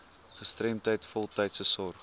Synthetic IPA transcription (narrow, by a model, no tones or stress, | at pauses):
χəstrɛmtəjtfɔlˠtɛjtsəsɔrχ